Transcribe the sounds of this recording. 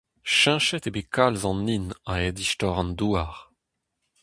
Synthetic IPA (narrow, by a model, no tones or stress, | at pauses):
ʃɛ̃ʃɛtebekʰalzɑ̃nːinaɛdiʃtɔʁɑ̃nduaʁ